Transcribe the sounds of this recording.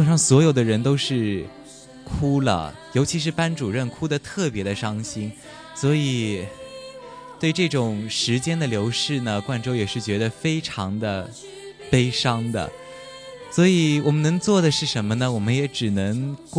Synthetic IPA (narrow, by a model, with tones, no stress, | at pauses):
ʂɑ˥˩ŋswɔ˧˥jo˨˩ʊd̪ə˦ɻə˧˥nt̪̬o˥ʊʂɻ̩˥˩ | kʰu˥lə̰˨jo˧˥ʊt͡ɕʰi˧˥ʂ̬ɻ̩˥˧pa˥nʈ͡ʂu˨˩ɻə˥˩nkʰu˥d̪ə˨t̪ʰɤ˥˩pjɛ˧˥d̪ə˧ʂɑ˥ŋɕi˥n | swɔ˧˥i˨˩ | t̪we˥˧ɪʈ͡ʂɤ˥˩ʈ͡ʂʊ˨˩ŋʂɻ̩˧˥t͡ɕjɛ˥nd̪ə˨ljo˧˥ʊʂɻ̩˥˩nə˩kwa˥˩nʈ͡ʂo˥ʊjɛ˨˩ʂɻ̩˥˩t͡ɕɥɛ˧˥d̪ə˧fe˥ɪʈ͡ʂʰɑ˧˥ŋd̪ə˧ | pe˥ɪʂɑ˥ŋd̪ə̰˨ | swɔ˧˥i˨˩wɔ˨˩mə˦nɤ˧˥ŋt͡swɔ˥˩d̪ə˩ʂɻ̩˥˩ʂə˧˥nmə˧nə˨wɔ˨˩mə˦njɛ˧˥ʈ͡ʂɻ̩˨˩nɤ˧˥ŋk